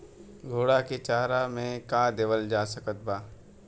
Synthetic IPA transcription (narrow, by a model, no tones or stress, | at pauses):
ɡʱoːɽaket͡ʃaːɾamẽkaːd̪eːʋəld͡ʒaːsəkət̪̚baː